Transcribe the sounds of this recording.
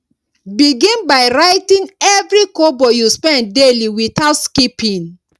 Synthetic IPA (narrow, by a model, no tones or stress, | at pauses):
biɡĩnbaɪɹaɪtĩnɛvɹikobɔjuspɛ̃ndeliwitaʊtskipĩn